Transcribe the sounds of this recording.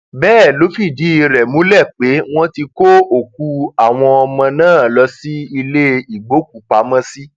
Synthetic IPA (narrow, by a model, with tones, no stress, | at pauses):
bɛː˦˨lo˨˦fi˦˨di˨˦i˧ɾɛ˨mũ˨˦lɛ˦˨k͡pe˨˦w̃ɔ̃˦ti˧ko˦o˦˨k̚u˧˦a˨w̃ɔ̃˧ɔ˧mã˧nãː˦˨lɔ˧si˦i˧le˦i˨ɡ͡bo˨˦k̚u˨k͡pa˨˦mã˦si˦